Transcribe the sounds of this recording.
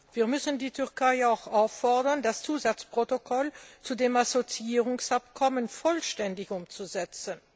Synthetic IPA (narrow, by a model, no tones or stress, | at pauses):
v̥iːɐmʏsn̩diːtʰʏʁkʰaɪaʊxaʊfːɔɐdɐndast͡suːzat͡spʁ̥otokʰɔlt͡sudeːmasot͡siiːʁʊŋsapkʰɔmənfɔlʃtɛndɪçʊmt͡suzɛt͡sən